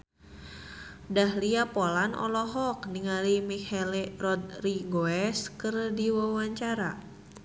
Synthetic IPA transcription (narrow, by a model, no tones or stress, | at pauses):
dahliapolanɔ̰lɔɦɔk̚niŋaɾimihɛlerɔd̪̚riɡoɛskərdiwawaɲt͡ʃaɾa